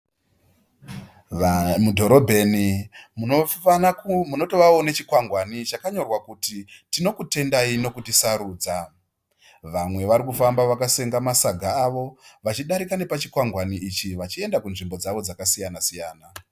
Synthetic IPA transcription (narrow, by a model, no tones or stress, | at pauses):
mudʱo̞ɾo̞bʱe̞ni | muno̞to̞ʋaonet͡ʃikwaŋɡwanit͡ʃakaɲo̞rwakutitino̞kute̞ndaino̞kutisaɾuːd͡za | ʋamwe̞ʋaɾikufambaʋakase̞ŋɡamasaɡʱaːʋo̞ʋat͡ʃiɗaɾikane̞pat͡ʃikwaŋɡwaniʔit͡ʃiʋat͡ʃie̞ndakunʐimbo̞d͡zaʋo̞d͡zakasijanasijaːna